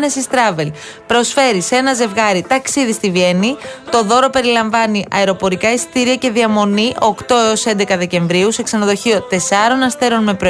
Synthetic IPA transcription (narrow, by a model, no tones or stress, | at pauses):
ne̞sist̪ɾɐve̞l | pɾo̞sfe̞ɾisee̞nɐze̞vɣɐɾit̪ɐksiðist̪ivienit̪o̞ðo̞ɾo̞pe̞ɾilɐɱvɐniʔɐeɾo̞po̞ɾikɐist̪iɾiɐce̞ðiɐmo̞niʔo̞kt̪o̞e̞o̞se̞nd̪e̞kɐðe̞ce̞ɱvɾiuse̞ksɐnɐðo̞çio̞t̪e̞sɐɾo̞nɐst̪e̞ɾo̞nme̞pɾo